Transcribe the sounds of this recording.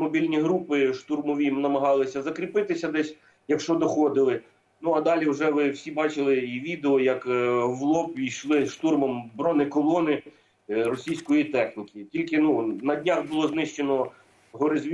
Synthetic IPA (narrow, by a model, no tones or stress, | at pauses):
mɔbʲilʲnʲiɦɾupɪʃt̪urmɔʋʲimnɐmɐɦɑlˠɪsʲɐzɐkɾʲipɪt̪ɪsʲɐd̪ɛsʲ | jɐkʃt͡ʃɔd̪ɔxɔd̪ɪlˠɪ | nuɐd̪ɑlʲiwʒɛʋɪwsʲibɑt͡ʃɪlˠɪiʋʲid̪eɔjɐkʋlˠɔpʲijʃlˠɪʃt̪urmɐmbɾɔnɪkɔlˠɔnɪ | rɔsʲijsʲkɔjit̪ɛxnʲikʲɪtʲilʲkɪnunɐdʲnʲaxbʊlˠɔznɪʃt͡ʃenɔ | ɦɔɾɪzʲʋʲ